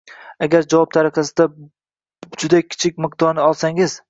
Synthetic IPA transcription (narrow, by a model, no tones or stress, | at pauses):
aɡʲaɾd͡ʒavɒp̚t̪ʰaɾɨqʰɑsɪd̪a | d͡ʒʊd̪akʲʰɪ̥t͡ʃʰɪk̚ʲmɪq̚d̪ɒɾnɪɒlˠsaŋɪz̥